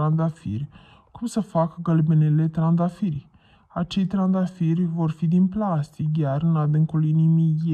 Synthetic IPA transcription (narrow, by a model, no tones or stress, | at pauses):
and̪afḭrʲ | kumsəfakəɡəlbɨnele̞t̪ɾand̪afirʲ | at͡ʃejt̪ɾand̪afirʲvo̞rfid̪inplast̪ik̚ɡʲarɨnad̪ɨŋkulinimije